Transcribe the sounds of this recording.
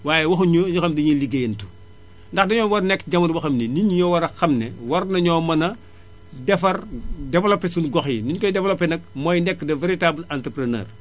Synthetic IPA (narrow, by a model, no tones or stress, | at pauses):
waːjɛwɐxuɲoɲuxɐmdɐɲiliɡejntu̥ | ndɐxdɐɲɔːwɐrnɛkɟɐmɐɾbɐxɐmniniɲjɔwɐɾɐxɐmnɛwɐɾnɐɲɔːmɐnɐ | dɛfɐrdɛvɐlɔpːesunɡɔxiniɲkɔjdɛvɐlɔpːɛnɐk̚mɔjnɛkːdɐveɾitaːblantɾpɾɐnɛ̰ːr